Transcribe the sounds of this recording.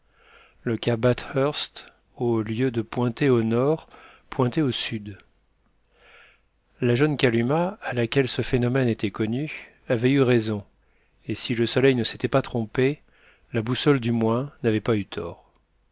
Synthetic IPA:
ləkʲabat̪hœʁst̪ | oljød̪əpwɛ̃t̪eonɔʁ | pwɛ̃t̪ɛosyd̪ | laʒɔnkʲalymaːlakʲɛlsəfenɔmɛnet̪ɛkɔny | avɛyʁɛzɔ̃ | esiləsɔlɛjnəse̥t̪ɛpat̪χɔ̃pe | labusɔld̪ymwɛ̃navɛpayt̪ʰɔ̰ːʁ

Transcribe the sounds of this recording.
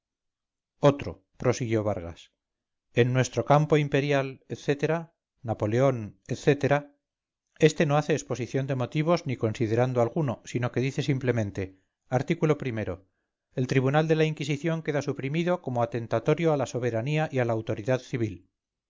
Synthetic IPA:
o̞t̪ɾo̞̰ | pɾo̞siɣjo̞β̞aɾɣa̰s | e̞nːwe̞st̪ɾo̞kampo̞impe̞ɾjaleθe̞t̪e̞ɾa | napo̞le̞o̞neθe̞t̪e̞ɾa | e̞st̪e̞no̞aθe̞ːspo̞siθjo̞nd̪e̞mo̞t̪iβ̞o̞zniko̞nsið̞e̞ɾand̪oalɣuno̞sinoke̞ðiθe̞simple̞mẽnt̪e̞ | aɾt̪ikulo̞pɾime̞ɾo̞̰ | e̞lt̪ɾiβunald̪e̞laiŋkis̬iθjo̞ŋke̞ðasupɾimiðo̞ko̞moat̪e̞nt̪at̪o̞ɾjo̞alaso̞β̞e̞ɾaniaʔialaːwt̪o̞ɾiðaðθiβil

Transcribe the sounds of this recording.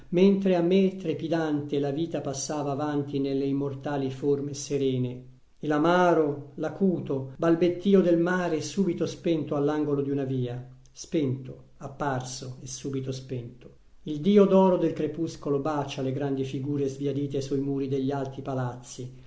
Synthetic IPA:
ment̪ɾeamːet̪ɾepid̪ant̪elaviːt̪apasːaːvaːvant̪inelːeimːort̪aːliformeseɾɛːne | ilamaːɾolakuːt̪obalbet̪ːiːod̪elmaːɾeɛsːuːbit̪ospɛnt̪oalːaŋɡolod̪iunaviːa | spɛnt̪o | apːarsoesːuːbit̪ospɛnt̪o̥ | ild̪iːod̪ɔːɾod̪elkɾepuskolobat͡ʃaleɡɾand̪ifiɡuːɾezvjiad̪iːt̪esuimuːɾid̪eʎːialt̪ipalat̪sːi

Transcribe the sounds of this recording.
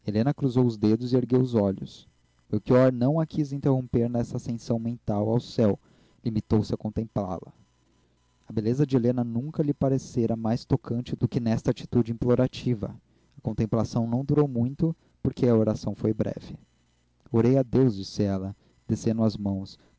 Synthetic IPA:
elẽnɐkɾuzowʊzd̪ed̪ʊzɪeɾɡewʊzɔʎʊs | mewkiɔɾnɐ̃w̃ɐkʰizĩnt̪eɦõmpeɾnɛstɐːsẽsɐ̃w̃mẽnt̪awawsɛw | limit̪owsɪɐkõnt̪ẽmpla̰lɐ̰ | ɐbelezɐd͡ʒɪelẽnɐnũkɐlɪpaɾeseɾɐmajst̪okʰɐ̃nt͡ʃɪd̪̥ʊkɪnɛst̪at͡ʃi̥t̪ud͡ʒɪĩmploɾat͡ʃivɐ̰ | ɐkõnt̪ẽmplasɐ̃w̃nɐ̃w̃d̪uɾowmũj̃t̪ʊ | poɾkeɐoɾasɐ̃w̃fojbɾɛ̰vɪ | oɾejad̪ewzd͡ʒisɪɛlɐ | d̪̥esẽnd̪ʊɐzmɐ̃w̃s

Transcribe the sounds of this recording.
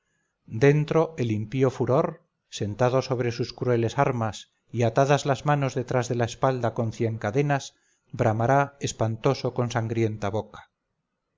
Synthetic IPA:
d̪e̞nt̪ɾo̞e̞limpio̞fuɾo̞ɾ | se̞nt̪aðo̞so̞βɾe̞suskɾue̞lesaɾmas | iat̪aðazlazmano̞zðe̞t̪ɾazðe̞laespald̪ako̞nθje̞ŋkaðe̞naz | bɾamaɾaespant̪o̞soko̞nsaŋɡɾje̞nt̪aβo̞kḁ

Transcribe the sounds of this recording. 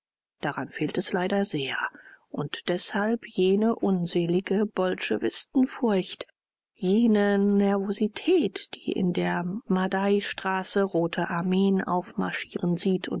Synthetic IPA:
d̥aʁanfeːltɛslaɪdɐzeːɐʔʊntd̥ɛshalpjeːnəʔʊnzɛːlɪɡəb̥ɔlʃə̰vɪstn̩fʊɐçt | jeːnənɛɐvozitʰɛːtd̥iːʔɪ̰ndeːɐmadaɪʃtʁ̥aːsəʁoːtʰəʔaɐmeːənʔa̰ʊfma̰ɐʃiːʁənziːtʰʊ̰n

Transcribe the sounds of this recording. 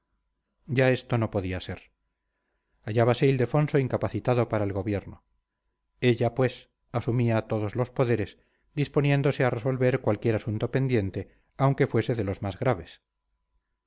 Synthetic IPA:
ɟ͡ʝae̞st̪o̞no̞po̞ðiase̞ɾ | aʎaβase̞ild̪e̞fo̞nso̞iŋkapaθit̪aðo̞paɾaelɣo̞βjeɾno | e̞ʎapwe̞s | asumiat̪o̞ðo̞zlo̞spoðe̞ɾe̞s | d̪ispo̞nje̞nd̪o̞se̞areso̞lβe̞ɾkwalkje̞ɾasunt̪o̞pe̞nd̪je̞nt̪e̞ | awŋke̞fwe̞se̞ðe̞lo̞zmazɣɾaβ̞e̞s

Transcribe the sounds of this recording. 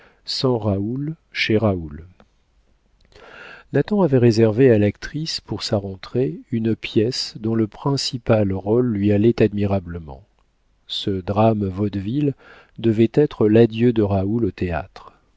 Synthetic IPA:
sɑ̃ʁaul | ʃeʁaul | nat̪ɑ̃avɛʁezɛʁvealakt̪χispuʁsaʁɑ̃t̪χeynpjɛsd̪ɔ̃ləpχɛ̃sipalʁolːɥialɛt̪ad̪miʁabləmɑ̰̃ | səd̪ʁamvɔd̪vil | d̪əvɛt̪ɛt̪χəlad̪jød̪əʁaulot̪ea̰t̪χ

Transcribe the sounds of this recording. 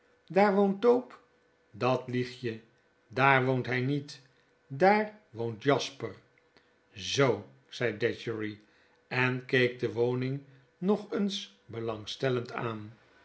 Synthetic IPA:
daːɹʋownt̚dowp | dɑtliχjə | daːɹʋowntɦɛjnit | daːɹʋowntjɑspər | zow | z̥ɛjdɛt͡ʃəɹi | ɛnkejk̚dəʋownɪŋ | nɔχəns | bəlɑŋstɛlənta̰ːn

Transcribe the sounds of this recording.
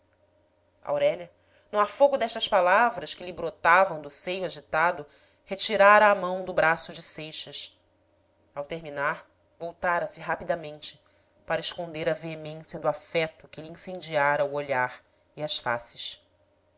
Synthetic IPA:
a̰wɾɛʎɐ | nʊafoɡʊd̪ɛʃt̪ɐʃpalavɾɐʃkɪlɪbɾot̪avɐ̃w̃d̪ʊsejʊaʒit̪ad̪ʊ | het͡ʃiɾaɾɐːmɐ̃w̃d̪ʊbɾasʊd͡ʒɪsejʃɐs | awt̪eɾminaɾ | vowt̪aɾɐsɪɦapid̪ɐmẽnt͡ʃɪ | paɾɐɪʃkõnd̪eɾɐveemẽsjɐd̪ʊafɛt̪ʊkɪliĩsẽd͡ʒiaɾɐuoʎaɾ | iɐʃfa̰sɪ̥ʃ

